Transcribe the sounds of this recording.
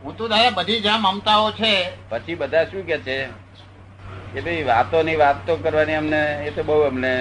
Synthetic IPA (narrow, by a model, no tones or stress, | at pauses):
ɦũt̪õd̪aɾabəd̪ʱid͡ʒãməmt̪aot͡ʃʰepət͡ʃʰibəd̪ʱaʃũk̬et͡ʃʰe | kebəiʋat̪oniʋat̪ːokəɾʋaniəmneːt̪obəɦuəmne